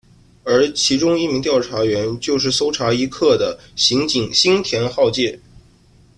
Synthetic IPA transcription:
ə˞˧˥t͡ɕʰi˧˥ʈ͡ʂʊ˥ŋi˥˩mi˧˥ŋt̪jɑ˥˩ʊʈ͡ʂʰa˧˥ɥɛ˧˥nt͡ɕjo˥˧ʊʂ̬ɻ̩˥˩so˥ʊʈ͡ʂʰa˧˥i˧˥kʰɤ˥˩d̪ə˩ | ɕi˧˥ŋt͡ɕi˨˩ŋɕi˥ŋt̪ʰjɛ˧˥nxɑ˥˧ʊt͡ɕjɛ˥˩

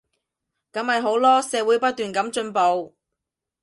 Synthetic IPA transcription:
kɐ˨˥mhɐ˨jɦo˨˥wlɔː˥sɛː˨˧wu˨˥jpɐ˥t̚t̪yː˨nkɐ˨˥mt͡ʃɵ˧npo˨˧w

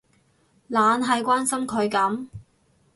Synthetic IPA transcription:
laː˨˧nɦɐ˨jkʷaː˥nsɐ˥mkʰɵ˨˧ɥkɐ˨˥m

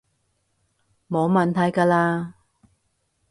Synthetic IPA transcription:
moː˨˧wmɐː˨nt̪ʰɐ˨˧jkaː˧laː˧

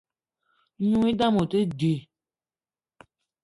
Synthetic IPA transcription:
ɲũ˦ŋi˦da˦mo˨te˦de˨

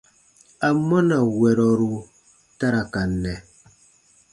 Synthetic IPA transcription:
a˨mɔ˦na˨wɛ˨ɾɔ˨ɾu˨ | ta˦ɾa˨ka˨nːɛ˨

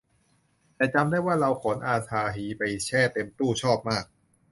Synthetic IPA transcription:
t̪ɛː˨˩t͡ɕa˧mdaː˥˩jwaː˥˩ɾa˧wkʰo˩˦nʔaː˧sʰaː˧ɦiː˨˦pa˧jt͡ɕʰɛː˥˩t̪e˧mt̪uː˥˩t͡ɕʰɔː˥˩p̚maː˥˩k̚

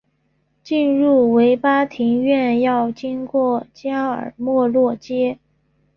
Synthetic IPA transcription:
t͡ɕi˥˧nɻu˥˩we˧˥ɪpa˥t̪ʰi˧˥ŋɥɛ˥˧njɑ˥˩ʊt͡ɕi˥nkwɔ˥˩t͡ɕja˥ə̰˞˨˩mwɔ˥˧lwɔ˥˩t͡ɕjɛ˥

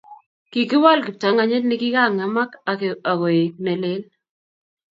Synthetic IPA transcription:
ki˨kɪ˦wa˦lkɪ˨ta˨ŋa˨ɲe˦t̚nɪ˦kɪ˦ka˦˨ŋa˨ma˦ka˨a˨ɣɔ˨e˨k̚nɛ˨le˦l

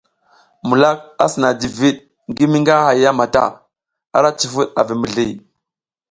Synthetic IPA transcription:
mu˨la˦k̚a̰˦sə˨na˨di˨vi˦ɗ̚ | ŋɡi˦mi˦ŋɡa˦ha˨ja˦ma˨ta̰˦˨ | a̰˦˨ɾa˦t͡ʃi˨fu˦ɗa̰˨vi˨mə˨ɮi˦˨

